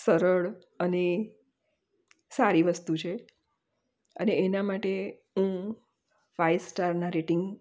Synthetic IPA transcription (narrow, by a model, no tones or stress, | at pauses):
səɾəɭ | əne | saɾiʋəst̪ut͡ʃʰe | əneːnamaʈe | ɦũ | ʋajsʈaɾnaɾeʈɪŋɡ